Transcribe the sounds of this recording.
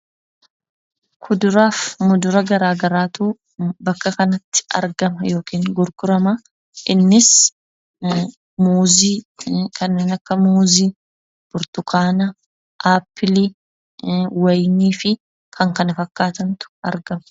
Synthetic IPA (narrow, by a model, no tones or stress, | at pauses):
kʰʊd̪ʊɾaːfmʊd̪ʊɾɐɡɐɾaːɡɐɾaːt̪uː | bɐkːɐkɐnɐt̪ːɪ̥ɐ̰ɾɡɐmɐjo̞ːkiːŋɡʊɾɡʊɾɐmɐ | ʔɪnːɪs | muːziːkʰɐnːeːnɐkːɐmuːziː | b̥ʊɾt̪ʊkʰaːnɐ | ʔaːpʰːɪlɪ | wɐjniːfɪ | kʰɐŋkɐnɪfɐkːaːt̪ɐnt̪ʊ̥ɐ̰ɾɡɐmɐ̥